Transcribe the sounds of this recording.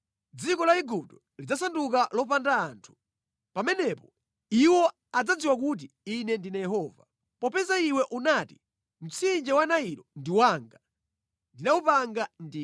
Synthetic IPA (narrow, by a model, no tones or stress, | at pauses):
d͡zikɔlaiɡup̚tɔ | lid͡zasanduk̬alɔpandaːntʰu̥ | pamɛnɛpɔ | iwɔ | ad͡zad͡ziwakut̬i | inɛndinajɛɦɔːva | pɔpɛzaiwɛʔunaːti | m̩t͡sind͡ʒɛwanaiɾɔndiwaːŋɡa | ndinaupaŋɡandi